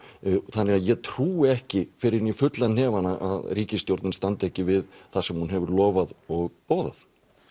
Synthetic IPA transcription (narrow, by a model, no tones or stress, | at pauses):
θanːɛaðjɛt̪ʰɾuːɪɛhcɪfɪɾɪɪnifʏt̪lanɛːvanaʔa̰ðriːcɪst̪jowɾt̪nɪnst̪ant̪ɛhcɪvɪðθasɛmhunɦɛvʏɾlɔːvaðɔɣpoːwða̰θ